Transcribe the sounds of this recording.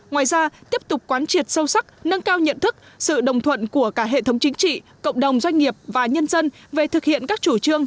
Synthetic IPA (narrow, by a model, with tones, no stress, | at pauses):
ŋwaː˨˩jzaː˧t̪i˦˥əp̚t̪ʊ˨˩k͡p̚kwaː˨˦nt͡ɕi˨˩ət̚sə˧wsa˦˥k̚nə˧ŋkaː˧wɲə̰˧˨nt̪ʰɨ˦˥k̚ | sɨ̰˧˨ɗə̰˨˩wŋ͡mt̪ʰwə̰˧˨nku˧˩əkaː˧˩ɦḛ˧˨t̪ʰə˨˦wŋ͡mt͡ɕï˨˦ŋ̟t͡ɕḭ˧˨kə̰˧˨wŋ͡mɗə˨˩wŋ͡mzwa˧jŋ̟ŋi˨˩əp̚vaː˨˩ɲə˧nzə˧n | ve˨˩t̪ʰɨ˨˩k̚hḭ˧˨ənkaː˦˥k̚t͡ɕu˧˩t͡ɕɨ˧əŋ